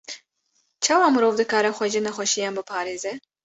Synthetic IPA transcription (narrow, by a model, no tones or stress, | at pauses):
t͡ʃʰɑːwɑːmɨɾoːvd̪ɨkaːɾɛxʷɛʒinɛxʷɛʃijaːnbɨpʰɑːɾeːzɛ